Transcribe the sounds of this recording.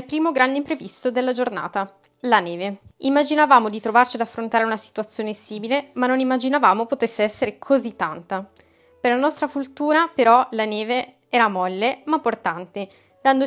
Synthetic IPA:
lpɾiːmoɡɾand̪eimpɾevist̪od̪elːad͡ʒorna̰ːt̪a | laneːveimːad͡ʒinavaːmod̪it̪ɾovart͡ʃiad̪afːɾont̪aːɾeunasi̥t̪uat̪sːjoːnesiːmilemanːonimːad͡ʒinavaːmopot̪esːeɛsːeɾekʰozit̪ːant̪a | perlanɔst̪ɾafult̪uːɾapeɾɔlaneːve | ɛːɾamɔlːemapːort̪ant̪e | d̪̥and̪o

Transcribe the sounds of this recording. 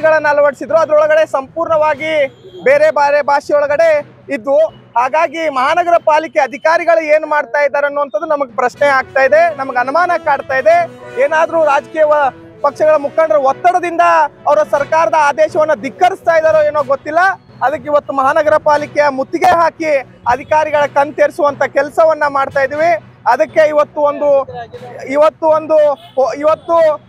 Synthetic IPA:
ɡɐɭɐnːɐɐlɐʋɐɽsid̪ɾuɐd̪ɐɾɔɭɐɡɐɽe̞sɐmpuːɾɳɐʋaːɡibeːɾebaɾebʱaːʂijɔɭɐɡɐɽe̞ | id̪ːu | ɦaːɡaːɡimɐɦaːnɐɡɐɾɐpaːlikeɐd̪ʱikaːɾiɡɐɭueːnumaːɖt̪aːjid̪ːaːɾɐnːuɐnt̪ɐd̪ːunɐmɐɡepɾɐʃnɛaːɡ̚t̪aːjid̪e̞nɐmɐɡeɐnumaːnɐkaːɖt̪aːjid̪e̞eːnaːd̪ɐɾuːɾaːd͡ʒɐkiːjɐ | pɐkʂɐɡɐɭɐmukʰaːɳɖɐɾɐɔt̪ːɐɽɐd̪ind̪ɐːʋɐɾɐsɐɾkaːɾɐd̪ɐaːd̪ɛːʃɐʋɐnːɐd̪ikːɐɾist̪aːjd̪aːɾoeːnoːɡot̪ːilːɐ | ɐd̪ɐk̬ːeiʋɐt̪ːumɐɦaːnɐɡɐɾɐpaːlikɛjɐmut̪ːiɡeɦaːki | ɐd̪ʱikaːɾiɡɐɭɐkɐnt̪eːɾsuʋɐnt̪ɐkɛlsɐʋɐnːɐmaːɖt̪aːjd̪iːʋi | ɐd̪ɐkːe̞iʋɐt̪ːuond̪u | iʋɐt̪ːuond̪uiʋɐt̪ːu

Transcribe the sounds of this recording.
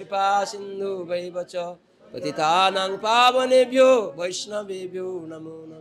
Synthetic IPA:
ipaːsind̪ubɐjbɐt͡ʃɔ | pɐ̰t̪it̪aːnaŋpaːbɐnebʱjobɐjʃnɐbebʱjoːnɐmunɐ

